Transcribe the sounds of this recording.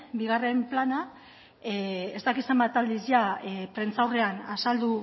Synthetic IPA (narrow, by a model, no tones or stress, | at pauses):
biɣare̞mplana | ezt̪akisambat̪ald̪izjapɾe̞nt͡sawre̞anasald̪u